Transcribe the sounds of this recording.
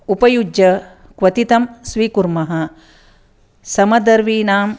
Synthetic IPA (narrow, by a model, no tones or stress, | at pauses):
upɐjud͡ʒjɐ | kʋɐt̪it̪ɐmsʋiːkuɾmɐɦɐ̆ | sɐmɐd̪ɐɾʋiːnaːm